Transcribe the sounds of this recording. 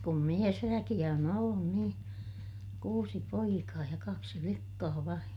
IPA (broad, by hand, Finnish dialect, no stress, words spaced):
kum miesʋækij̆æ on olːun niː kuːsi poikɑː jɑ kɑksi flikːɑː ʋɑin